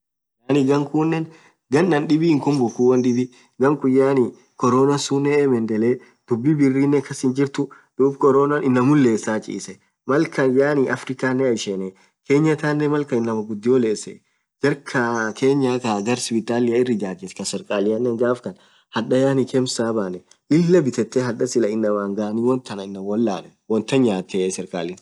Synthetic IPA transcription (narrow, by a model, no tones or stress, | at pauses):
jaːnɪɡɐŋkuːnːɛn | ɡɐnːɐnɗɪbiɪŋkʊmbʊkːuːwɐnᶑɪbɪ | ɡɐŋkʊjːaːnɪ | kɔɾoːnɐsuːnːɛɛmɛnd̪ɛleː | d̪̥ʊbːɪbɪrːiːnːɛkʰːɐsɪnd͡ʒɪɾt̪ʊ | d̪̥uːbkɔɾoːnɐnʔɪnːɐmʊlːe̞ːsːaːt͡ʃʼḭːsɛ | mɐlkɐnjaːnɪʔɐfɾɪkaːnːɛɐjʃɛnɛ | kʰe̞ːɲːɐt̪aːnːɛmɐlkɐɪnːɐmɐɡʊd̪ːɪwɔle̞ːsːɛ̰ | d͡ʒɐɾkʰɐkʰe̞ːɲːaːt̪aɡɐɾspɪt̪ʼaːlɪjaɪrːɪd͡ʒaːd͡ʒ̪ɪskɐsɛɾkʼaːlɪjɐnːɛŋɡaːfkɐn | hɐᶑɐjaːnikʰɛmsaːbaːnɛ | ʔɪlːɐbɪt̪ɛt̪ːɛɦɐᶑɐsɪlɐɪnːɐwaːŋɡaːniːwɔnt̪ʰːɐnɐɪnːɐwɔlːaːnɛ | wɔnt̪ːɐɲɲaːt̪ʰːesɛɾkʼa̰ːlɪn